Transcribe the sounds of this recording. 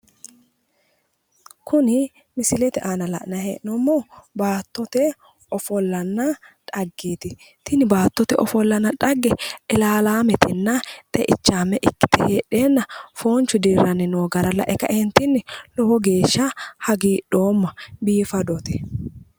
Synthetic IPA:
kʰʊnɪ | mɪsɪlɛt̪ɛʔanɐlɐ̰ʔnɐhḛːʔnɔmːobaːt̪ːɔt̪ɛ | ɔfɔlːɐnːɐᶑɐɡːeːt̪ɪ | t̪ɪnɪbaːt̪ːɔt̪ɛʔɔfɔlːɐnːɐᶑɐɡːɛʔɪlaːlaːmɛt̪ɪnːɐt̪ʼɛʔɪt͡ʃːaːmɛʔɪkːɪ̥t̪ɪheːᶑeːnːɐfoːnt͡ʃːʊd̪iːɾɐnɪnoːɡɐɾɐlɐ̰ʔɛkɐʔɛnt̪ɪnːɪlɔhɔɡe̞ːʃːɐhɐɡiːɗo̞ːmːɐbiːfɐd̪ɔt̪ɛ

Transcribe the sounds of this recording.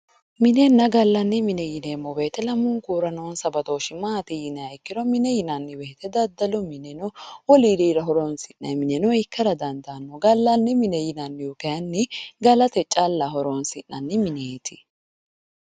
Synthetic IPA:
mɪnɛnːɐɡɐlːɐnːɪmɪnɛjɪneːmːɔbeːt̪ɛlɐmʊŋkuːɾɐnoːnsɐbɐt̪oːʃɪmaːt̪ɪjɪnɛɐjkːɪɾɔmɪnɛjɪnɐnːɪweːt̪ɛd̪ɐd̪ːɐlɔmɪnɛnɔwɔliɾiːɾɐɦɔɾoːnsɪnːɐmɪnɛnɔɪkːɐɾɐd̪ɐnd̪aːnːɔɡɐlːɐnːɪmɪnɛjɪnɐnːɪjʊkɛɐnːɪɡɐlɐt̪ɛt͡ʃʼɐlːɐhɔɾoːnsɪnːɐnːɪmɪneːt̪ʰɪ̥

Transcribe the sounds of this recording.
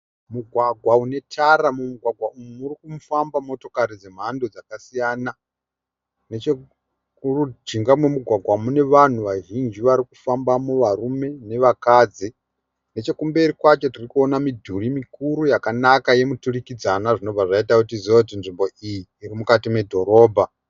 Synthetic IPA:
muɡʱwaɡʱwaune̞tʰaɾamumuɡʱwaɡʱwaumumurikumufambamo̞to̞kaɾid͡ze̞m̤ando̞d͡zakasijaːna | net͡ʃe | rud͡ʒiŋɡamwemuɡʱwaɡʱwamune̞ʋan̤uʋaʒind͡ʒiʋaɾiku̥fambamuʋarume̞ne̞ʋakaːd͡zi | ne̞t͡ʃe̞kumbe̞ɾikwat͡ʃo̞tirikuo̞namidʱurimikuɾujakanakaje̞muturikid͡zanaʐino̞b͡vʱaʐaitakutiziaut̬inʐimbo̞ʔijiːɾimukatime̞dʱo̞ɾo̞ːbʱa

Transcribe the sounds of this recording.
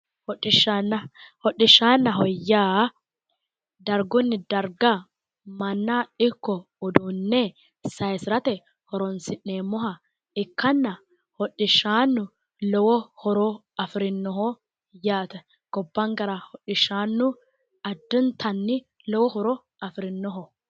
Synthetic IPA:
hɔᶑɪʃanːɐhɔᶑɪʃːaːnːɐɦɔjːaː | d̪ɐɾɡʊnːɪd̪ɐɾɡa | mɐnːaɪkːɔː | d̪uːnːe | sɐɛsɾɐt̪ɛ | hɔɾɔnsɪnːeːmɔɦɐ | ɪkːɐnːɐ | hɔᶑːɪʃaːnːʊ | lɔwɔhɔɾɔ | ɐfɾɪnːɔɦɔ | jaːt̪ɛ | ɡ̥ɔbːɐŋɡɐɾɐhɔᶑɪʃaːnːʊ | ɐd̪ːʊnt̪ʰɐnːɪ | lɔwɔhɔɾɔ | ɐfɾɪnːɔɦɔ

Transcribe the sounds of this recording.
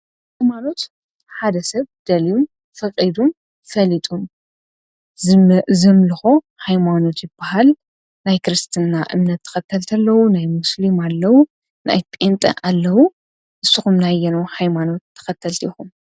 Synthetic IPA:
hajmano̞t̪ | ħad̪ɐsɐβd̪̥ɐlijum | fɐqʼid̪um | fɐlit̪ʼum | zɨmlɨxo̞ | hajmano̞t̪jɪbːahal | najkʰɨɾɨst̪ʰɨnːaʔɨ̰mnɐt̪ʰːɐ̥xɐt̪ʰːɐlt̪ʰɐlːɐwunajmʊslimalːɐwu | nʔa̰jp̪ʼent̪ʼɐ̰ʔalːɐwu | ʔɨsːuxumnajɛnohajmano̞t̪ʰːɐ̥xɐt̪ʰːɐlt̪ʰiːxum

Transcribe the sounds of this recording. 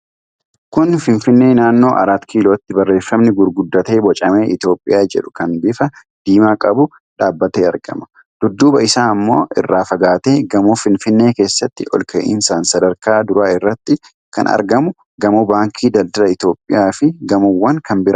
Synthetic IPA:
kʊnfɪnfɪnːe̞ːnaːnːo̞ːʔɐ̰ɾaːt̪kʰiːloːt̪ːɪbɐrːe̞ːfːɐmnɪɡʊɾɡʊd̪ːɐt̪e̞ːbɔt͡ʃʼɐme̞ːʔɪt̪jo̞ːpʼːɪ̰jaːd͡ʒɛ̰ᶑʊkɐnbɪfɐ | d̪̥iːmaːkʼɐbʊ | ᶑaːbːɐt̪eːɐɾɡɐ̰mɐ̥ | d̪̥ʊd̪ːuːbɐɪsaːɐmːo̞̰ːʔɪ̰rːaːfɐɡaːt̪eːɡɐmuːfɪnfɪnːe̞ːke̞ːsːɐt̪ːɪʔɔ̰lkʰɐ̰ʔiɪ̰nsaːnsɐd̪ɐɾkaːd̪ʊɾaːɪrːɐt̪ːɪ | kɐ̰nɐ̰ɾɡɐmʊ | ɡɐmubaːŋkʰiːd̪ɐld̪ɐlɐɪt̪jo̞ːpʼːɪjaːfɪɡɐmʊwːɐŋkɐnbɪɾɐ

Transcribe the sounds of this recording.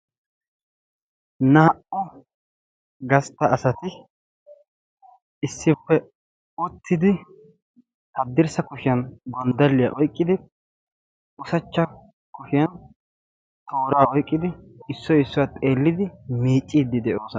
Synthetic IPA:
nɐhɐʔʊ | ɡɐst̪ːɐːsɐt̪ɪ | ɪsːɪpːɛ | ʊt̪ʰːɪd̪ɪ | hɐd̪ːɪɾsɐkʊʃɪjɐnɡɔnd̪ɐlːɪja̰ʔɔjkʼːɪd̪ɪ | ʊsɐt͡ʃːɐ | kʊʃɪjɐn | t̪ʰo̞ːɾaːɔjkʼːɪd̪ɪɪsːɔjɪsːɔwɐt̪ʼe̞ːlːɪd̪ɪmiːt͡ʃʼːiːd̪ːɪd̪ɛʔo̞ːsɔ

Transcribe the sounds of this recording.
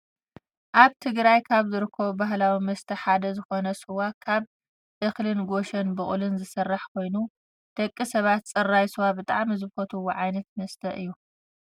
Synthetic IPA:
ʔaβt̪ʰɨɡɾajkʰaβzɨɾɨkʰːɐβubaɦlawimɐst̪ʰɐħad̪ɐzɨxo̞nɐsɨwakʰaβ | ʔɨxlɨnɡo̞ʃɐnbɨχʼlɨnzɨsɐrːaħkʰo̞jnu | d̪̥ɐkʼːisɐβat̪t͡sʼɐrːajswabɨt̪ʼa̰ʕmizɨfot̪ʰɨwoʕajnɐt̪̚mɐst̪ʰɐʔɨ̰jːu

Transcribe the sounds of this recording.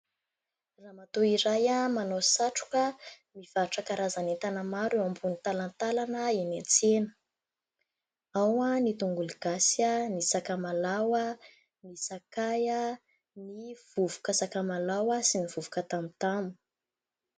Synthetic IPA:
ramat̪oiɾajamanosaʈ͡ʂu̥kə | miv̥aʈ͡ʂakaɾazanet̪anəmaɾewambunit̪alant̪alanəenent͡senə̥ | awanit̪uŋɡuliɡ̥asənisakamalawə | nisakajə | niv̥uvu̥kəsakamalawəsiniv̥uvu̥kət̪amit̪amu

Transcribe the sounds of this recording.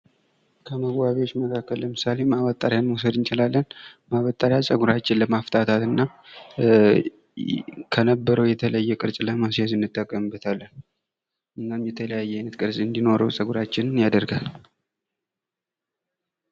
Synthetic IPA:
kʰəməɡbaβewot͡ʃːməkʰakːəlləmɨsale̞maβət̪ʼaɾjanwosəd̪ɨnt͡ʃɪlalːənmaβət̪ʼːaɾjasʼəɡuɾat͡ʃːɪnləmaft̪ʰat̪ʰat̪ɨnːa | kʰənəbːəɾəwjɛt̪ʰələjːɛkʼɨɾt͡ʃʼləmasazɨnːɨt̪ʼːəkʼːəmɨbːət̪ʰalːən | ʔɨnːamjɛt̪ʰələjajːɛajnət̪kʼɨɾsʼɨnd̪ino̞ɾəwsʼəɡuɾat͡ʃːɪnɨnjad̪əɾɡal

